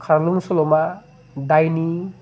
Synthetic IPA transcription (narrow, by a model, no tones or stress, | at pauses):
kʰaɾluŋsɔlɔma | dajni